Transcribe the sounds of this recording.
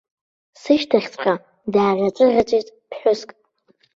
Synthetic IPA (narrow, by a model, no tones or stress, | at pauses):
sɨʃtʰaχʲt͡sʷʰʼqʼa | daːrʲʷat͡sʼɨrʲat͡ʃʷʼijtʼpʰħʷʊskʼ